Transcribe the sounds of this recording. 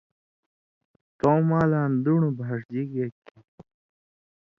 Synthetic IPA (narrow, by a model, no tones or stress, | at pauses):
t̪oːmaːlaːnd̪uɳubʱaːʂd͡ʑiɡeki